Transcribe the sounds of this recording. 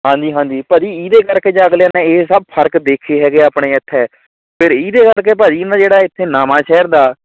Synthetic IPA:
ɦãːɲd͡ʒiːɦãːɲd͡ʒiːpəːd͡ʒiːiːd̪eːkəɾkeːd͡ʒaːɡlaːnɛ̃ːeːsəb̚pʰəɾkd̪eːkʰeːɦɛːɡeːaːpɳeːɪt̪ʰːɛː | pʰɪɾiːd̪eːkəɾkeːp̬aːd͡ʒiːnaːd͡ʒeːɽaːɪt̪ʰːeːnaːmãːʃʰɛːɾd̪aː

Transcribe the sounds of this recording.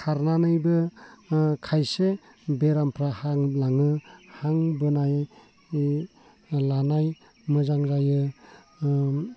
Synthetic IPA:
kʰaɾnanɯjbɯ | kʰajse | beɾampʰɾahaŋlaŋɯhaŋbɯnaj | lanaj | mɯzaŋɾajɯ

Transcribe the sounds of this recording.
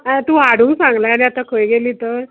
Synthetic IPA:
at̪uːaɽ̤ũːsãŋɡlaaniat̪akʰəjɡeliːt̪əɾ

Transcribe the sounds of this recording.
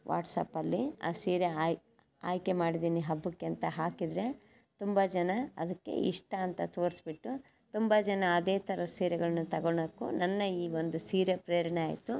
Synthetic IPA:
ʋʔa̰ːʈsɐ̰pɐlːia̰ːsiːɾej | aːjkemaːɽid̪iːniɦɐbːukːeɐnt̪ɐɦaːkid̪ɾe̞ | t̪umbɐd͡ʒɛnɐɐ̰d̪ɐkːe̞̰ḭʂʈɐːnt̪ɐt̪o̞ːɾsbiʈːu | t̪umbɐd͡ʒɛnɐːd̪eːt̪ʰɐɾɐsiːɾɛɡɐɭɐnːut̪ɐɡoɳkːṵnɐnːɐiːʋo̞nd̪usiːɾepɾejɐɾɐɳeaːjt̪u

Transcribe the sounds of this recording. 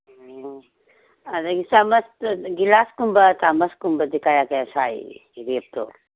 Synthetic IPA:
ɐd̪ɐɡisamɐst̪ɡilaːskumbɐt̪aːmɐskumbɐd̪ikaːjaːkesaːḭɾeːp̚t̪o̰ː

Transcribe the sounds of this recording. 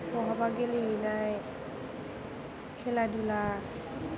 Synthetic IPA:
pɔɦɔbaɡeliɦojnaj | kʰɛladula

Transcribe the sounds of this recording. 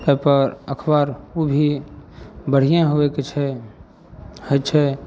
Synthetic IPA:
kepəɾəkʰbaɾobʱi | bəɽ̤ijẽɦoeket͡ʃʰɛ | hət͡ʃʰɛ

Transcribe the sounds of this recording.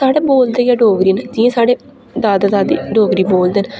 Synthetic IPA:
saːɽeːboːld̪eːjaːɖoːɡɾiːnəd͡ʒɪẽːsaːɽeː | d̪aːd̪aːd̪aːd̪ḭːɖoːɡɾiːboːld̪eːn

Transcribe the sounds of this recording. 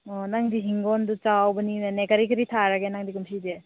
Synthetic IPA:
ɔnaŋdiɦiŋɡɔndut͡ʃawbɐninekaɾikɐɾitʰaɾaɡenaŋdikumsʰide

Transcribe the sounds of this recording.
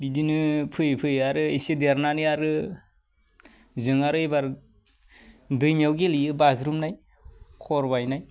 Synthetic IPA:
bidinɯpʰɯjpʰɯjaɾɯesedeɾnanɯjaɾɯ | zɯŋaɾɯebaɾ | dɯjmijawɡeliɯbazɾumnaj | kʰɔɾbajnaj

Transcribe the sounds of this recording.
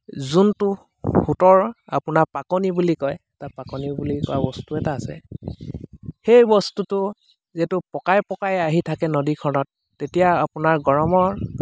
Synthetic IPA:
zuntʊ | hutɔɹa̰pʊnapakɔnibulikɔjɛtapakɔnibulikɔ̰wa̰bɔstuɛtaːsɛ̰ | xejbɔstutʊ | zɛtʊpɔkajpɔkajaɦitʰakɛnodikʰɔnɔtːetijaapʊnaɹɡɔɹɔmɔɹ

